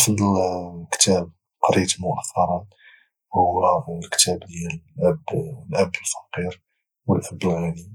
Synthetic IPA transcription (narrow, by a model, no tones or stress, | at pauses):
fd̪əlkt̪æb̚ | qɑɾit̪mʊʔəθːɑɾˤɑn | hʊlkt̪æbliʔæblʔæbːəlfɑ̥qiɾ | wəlʔəbːəlʕani